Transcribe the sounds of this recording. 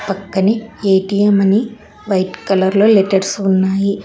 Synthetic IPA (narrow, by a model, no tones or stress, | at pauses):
pɐkːɐnieːʈijemɐni | ʋɐjʈkɐlɐɾlo̞ːleʈeɽsunːaːji